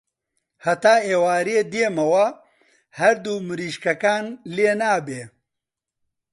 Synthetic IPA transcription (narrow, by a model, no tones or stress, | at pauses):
hɐt̪aːeːwaːɾeːd̪eːmɐwɐ | hɐɾd̪uːmɨɾiːʃkɐkaːnleːnaːbeː